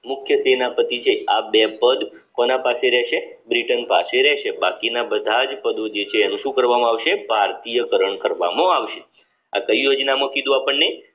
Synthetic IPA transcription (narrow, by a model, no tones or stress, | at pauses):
mʊkʰjəsenapət̪it͡ʃʰeabepəd̪ | konapaseɾɛʃe | bɾiʈənpaseɾɛʃebakinabəd̪ʱad͡ʒpəd̪od͡ʒet͡ʃʰeːnũʃũkəɾʋamãaʋʃebʱaɾt̪ijəkəɾəɳkəɾʋa̰mõaʋʃe | a̰kəjjod͡ʒnamõkid̪ũapəɳːej